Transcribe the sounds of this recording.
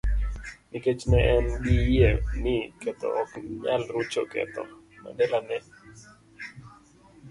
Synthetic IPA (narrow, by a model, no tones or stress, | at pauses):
niket͡ʃmɛʔɛnɡijenɪkɛt̪ɔ̰ɔkɲalɾut͡ʃokɛ̰t̪ɔ̰ | ma̰dɛlanɛ